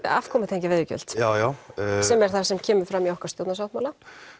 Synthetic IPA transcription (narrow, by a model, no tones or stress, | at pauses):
a̰ːfkʰɔːmɪt̪ʰeɲcɪvɪːðʏcʏ̰l̥t̪jaːwjawsɛmɛɾ̥θasɛmcʰɛːmʏɾ̥fɾamːiɔhkḁɾst̪jowt̪nasjawht̪maːwla